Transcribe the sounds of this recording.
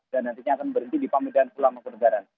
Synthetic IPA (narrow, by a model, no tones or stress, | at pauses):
d̥anːant̪iɲaːkanbəɾənt̪idipamedankulaŋmaŋkənəɡaɾan